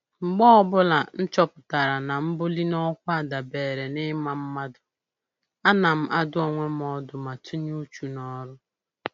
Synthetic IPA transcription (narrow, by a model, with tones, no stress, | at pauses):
ŋ͡m̩˨ɡ͡bɔ˦ɔ˦bʊ˦la˨n̩˦t͡ʃɔ˦pʊ˨ta˨ɾa˨na˨m̩˦bʊ˦li˦nɔ˦kʷa˦˨da˨beː˨ɾe˨nɪ˦ma˦m̩˦ma˦dʊ˨ | a˦na˨m̩˦ʔa˦dʊ˦ɔ˨ŋʷe˦m˦ɔ˦dʊ˨ma˨tu˦ɲu˦t͡ʃu˨nɔ˦ɾʊ˦